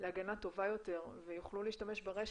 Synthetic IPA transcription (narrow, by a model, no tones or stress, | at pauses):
leaɡanat̪o̞vajo̞t̪e̞ʁvejuχluliːʃtame̞ʃbeʁeʃ